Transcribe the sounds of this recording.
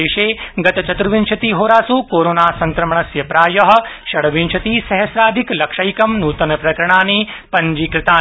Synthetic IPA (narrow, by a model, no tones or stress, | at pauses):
eːʃeːɡɐt̪ɐt͡ʃɐt̪ɾuʋint͡ʃʰɐt̪iːɦoːɾaːsuːkoːɾoːnaːsɐ̃ŋkɾɐmɳɐsjɐpɾaːjɐɦɐ̆ʃɐɽʋint͡ʃʰɐt̪iːsɐɦɐsɾaːd̪ʱiklɐkʃɐjkɐmnuːt̪ɐnɐpɾɐkɾɐɳ̃aːniːpɐɲd͡ʒiːkɾɪt̪aː